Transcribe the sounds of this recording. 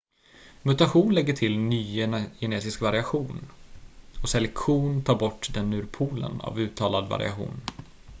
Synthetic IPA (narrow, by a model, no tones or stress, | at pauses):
mɵt̪aɧuːnlɛɡːəʈʰɪlnyːjɛneːsɪskvaɾɪaɧuːn | ɔsɛlɛkɧuːnt̪ʰɑːɾbɔʈːd̪ɛnːʉːɾpʰuːlə̰na̰vʉ̟ːt̪ʰɑːlad̪va̰ɾɪ̰a̰ɧṵːn